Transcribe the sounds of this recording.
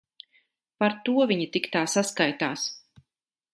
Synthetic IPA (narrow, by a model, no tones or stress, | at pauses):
paɾt̪uɔvʲiɲit̪ikt̪aːsaskajt̪aːs